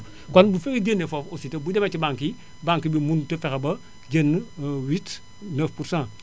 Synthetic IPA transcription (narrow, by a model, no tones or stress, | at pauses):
konbufeɡeɟenːefofositebudemat͡ʃibãŋki | baŋkibimuntəfekɐbɐ | ɟenːwit | nəfpuɾsãː